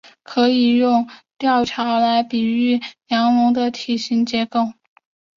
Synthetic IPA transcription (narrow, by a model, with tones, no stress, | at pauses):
kʰɤ˧˥i˨˩jʊ˥˧ŋt̪jɑ˥˩ʊʈ͡ʂʰa˧˥la˧˥ɪpi˨˩y˥˩njɑ˧˥ŋlʊ˧˥ŋd̪ə˧t̪ʰi˨˩ɕi˧˥ŋt͡ɕjɛ˧˥ko˥˩ʊ